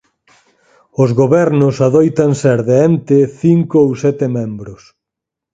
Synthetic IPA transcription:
ʊzɣoβɛɾnʊsaðojt̪anseɾðeɛnt̪eθiŋkoowsɛt̪emɛ̃mbɾʊs

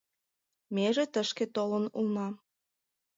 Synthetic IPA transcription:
meʒĕt̪əʃket̪olənulnɑm

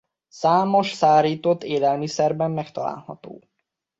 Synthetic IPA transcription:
saːmo̞ʃsaːɾiːt̪ot̪ːeːlɛlmisɛrbɛmːɛkt̪ɒla̰ːlhɒ̰t̪o̰ː

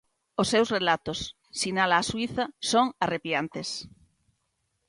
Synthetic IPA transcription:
osːewzrelat̪osː | inalaːswiθasoŋarepjant̪es

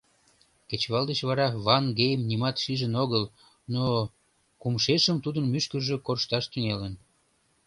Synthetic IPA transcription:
ket͡ɕβɑld̪et͡ɕβɑɾɑβɑnɡejəmnimɑt̪ʃiʒənoɣəl | no | kumʃeʃəmt̪ud̪ənmyʃkərʒe̽korʃt̪ɑʃt̪yŋelən

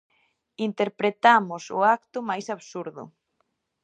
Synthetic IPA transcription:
int̪eɾpɾet̪amʊsʊ̰ak̚t̪ʊmajsaβsuɾðʊ̰

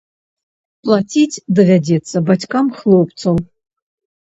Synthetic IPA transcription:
pʼlˠatʲʰitʲʰdɐvʲadʲet͡sʰɐbatʲkamχlˠowpʼt͡sʰolˠ

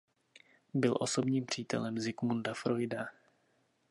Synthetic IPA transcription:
bɪlʔo̞so̞bɲiːmpr̝̥iːt̪ɛ̰lɛmzɪkmundafɾo̞jda

